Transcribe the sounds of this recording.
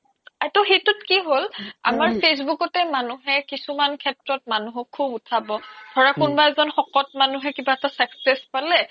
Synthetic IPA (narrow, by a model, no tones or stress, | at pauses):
atʊxetʊt̚kiɦola̰maɹpʰes̬bukɔtɛmanuɦɛkisumankʰɛtɹɔt̚manuɦɔkʰːubutʰabɔdʱɔɹakunbaɛzɔnxɔkɔtmanuɦɛkibaɛtasaksɛspalɛ